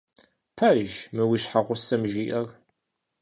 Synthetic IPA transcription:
pʰæʒməwiʃħaʁʊsːæmʒiʔər

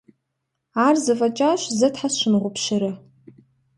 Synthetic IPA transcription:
arzɨfat͡ʃʼaʃʷzɨtʰħasʃʷɪnʁʷʊpʰʃɪɾɨ

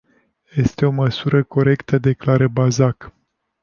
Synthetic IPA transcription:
je̞st̪e̞o̞məsuɾəko̞ɾe̞kt̪əd̪e̞klaɾəbazak

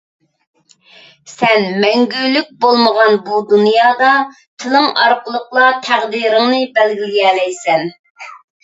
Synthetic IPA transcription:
sɛnmɛŋɡʲylːyk̚ʲbolˠməʁɑnbud̪unjɑːd̪ɑ | t̪ʰɨlˠɨŋɑ̰ɾqəlˠəqlˠɑt̪ʰæʁd̪iɾɪŋnɨbɛlɡʲilɪɡʲɛːlɛjsɛn

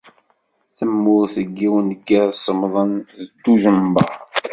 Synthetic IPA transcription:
θəmːʊɾθəɡːiwənəkːæsˤəmðˤənθəd̪ːuʒəmbɑɾˤ

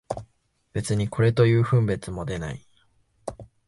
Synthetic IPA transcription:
b̥e̞t͡sɨɲ̟ikʰo̞ɾe̞t̪o̞jɯ̟ːɸɯ̟̃mbe̞t͡sɨmo̞d̪e̞na̰i

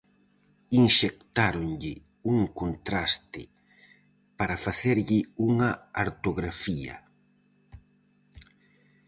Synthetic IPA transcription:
inʃek̚t̪aɾoŋʎɪ | uŋkont̪ɾast̪ɪ̰ | paɾafaθeɾʎɪuŋɐaɾt̪oɣɾafiɐ̰

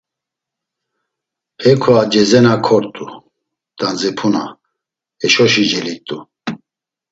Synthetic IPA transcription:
hɛkʰɔad͡ʒɛzɛnakʰɔɾt̪ʼu | d̪̥and͡zɛpʰuna̰ | ɛʃɔʃid͡ʒɛlit̪ʼu

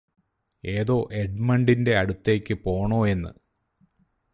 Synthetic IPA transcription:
e̞ːðo̞ːʔeɖmɐɳɖinde̞ɐɽut̪ːe̞ːkʲːɨpo̞ːɳo̞ːe̞nːɨ̰

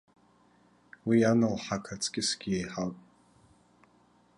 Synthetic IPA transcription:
wianɨlħakʰat͡sʼɡʲɪsɡ̥ʲiejħawtʼ

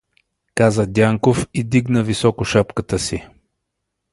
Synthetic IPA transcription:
kazəd̪ʲaŋkofid̪iɡnəvisɔkʊʃapkət̪əsi

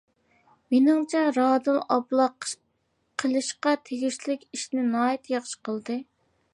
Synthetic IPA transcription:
menɪŋt͡ʃʰɛɾɑːd̪ɨlˠɑblˠɑ | qʰəlˠɨʃqɑt̪ʰeɡʲiʃlɪkʲiʃnɪnɑːjit̪ʰjɑχʃə̥qʰəlˠd̪ɨ

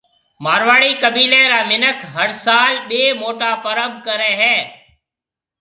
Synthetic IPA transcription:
maːɾʋaːɽiːkəbiːlẽːɾaːmɪnəkʰɦəɾsaːlɓeːmoːʈaːpəɾəmbʱkəɾẽːɦɛ̃ː

